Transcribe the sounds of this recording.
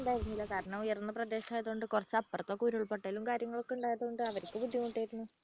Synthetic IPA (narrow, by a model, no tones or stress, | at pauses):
ɳɖaːjiɾunːilːɐkaːɾɐɳɐmujɐrnunːɐprɐd̪eːɕɐaːjɐðuoɳɖɨkurɐt͡ɕːɐpːɐrɐt̪ːokːuːɾuɭpeʈːaːlumkaːɾjɐŋːɐɭo̞kːeuɳɖaːjɐðuoɳɖɨɐʋɐɾikʲːɨbud̪ʱːjimuʈːaːjiɾunːu